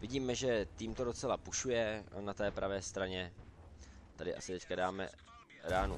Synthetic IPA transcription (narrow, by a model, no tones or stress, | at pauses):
vɪɟiːmɛʒɛt̪iːmt̪o̞dot͡sɛlapuʃujɛnat̪ɛːpɾʔavɛːst̪ɾaɲɛ | t̪adɪʔa̰sɪt̪ɛckadaːmɛ̰ | ɾaːnṵ